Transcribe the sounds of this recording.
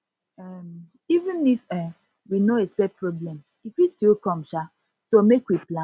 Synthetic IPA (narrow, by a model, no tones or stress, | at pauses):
ɛm | ivĩnifɛ̃ | winoespɛpɹɔblɛ̃m | ifwistilkɔ̃mʃa | somekwiplã